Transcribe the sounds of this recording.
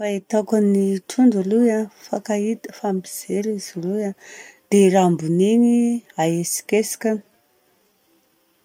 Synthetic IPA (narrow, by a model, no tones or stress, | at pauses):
fait̪akaniʈ͡ʂʰuɳɖ͡ʐulujafakait̪ə̥fambiz̥eɾiz̥luad̪̥eɾambuneniaesi̥kesi̥kʲani̥